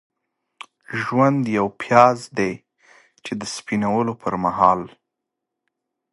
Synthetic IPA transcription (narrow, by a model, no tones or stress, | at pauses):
ʒwand̪jawpʰjɑzd̪e | t͡ʃed̪əspinawəlopʰəɾmaɦɑl